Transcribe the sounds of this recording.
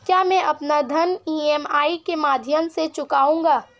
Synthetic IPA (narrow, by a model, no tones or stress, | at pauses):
kjaːmɛ̃ʔɐpnad̪ʱɐniːɛːmaːikemaːd̪ʱjəmset͡ʃʊkaːũːŋɡaː